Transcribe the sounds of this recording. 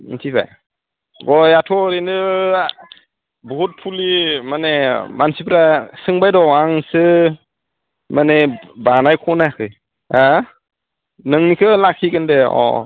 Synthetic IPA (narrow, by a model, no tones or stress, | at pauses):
ntʰiba̰j | ɡɔjatʰɔɾinɯ | bɔɦut̚pʰulimanemansipʰɾasɯŋbajdɔaŋsɯ | manebanajkʰɔnakʰɯj | a | nɯŋnikʰɯlakʰiɡɯndeɔ̰